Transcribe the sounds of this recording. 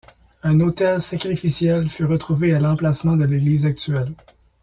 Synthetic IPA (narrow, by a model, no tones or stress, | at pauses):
ɛ̃not̪ɛlsakʁifisjɛlfyʁət̪χuvealɑ̃plasmɑ̃d̪əleɡliːzak̚t̪yɛl